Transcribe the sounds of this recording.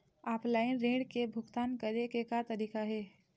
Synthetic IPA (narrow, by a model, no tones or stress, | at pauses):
aːpʰlaːɪnɾẽːɖkebʱʊɡt̪aːnkɐɾekekat̪ɐɾiːkaɦɛː